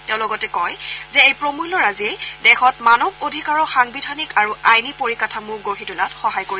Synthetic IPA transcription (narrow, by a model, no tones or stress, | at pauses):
tɛʊ̃lɔɡɔtɛkɔjzɛejpɹomujlɔɹazejdɛxɔtmanɔb̚odʱikaɹɔxaŋbidʱanikaɹuajnipoɹikatʰamuɡoɦitulatxɔɦajkoɹi